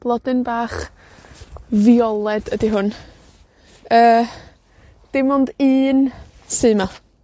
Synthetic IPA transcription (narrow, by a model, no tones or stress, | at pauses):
b̥lˠɔdɨnbaːχ | viɔlˠɛd̥ədiɦʊn | əː | d̥ɪmʊndɨːn | sɨːma